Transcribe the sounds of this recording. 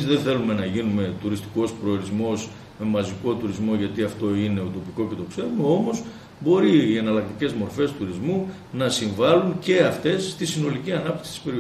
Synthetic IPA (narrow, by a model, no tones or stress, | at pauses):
zðeθe̞lume̞nɐʝinume̞t̪uɾist̪i̥ko̞spɾo̞ːɾizmo̞s | me̞mɐziko̞t̪uɾizmo̞ʝɐt̪iɐft̪o̞ine̞ot̪o̞piko̞ce̞t̪o̞ksevmɐo̞mo̞z | bo̞ɾiːe̞nɐlɐk̚t̪ice̞zmo̞ɾfe̞st̪uɾizmu | nɐsiɱvɐluŋce̞ɐft̪e̞sːt̪isino̞liciɐnɐp̚t̪i̥ksi̥t̪ispeɾi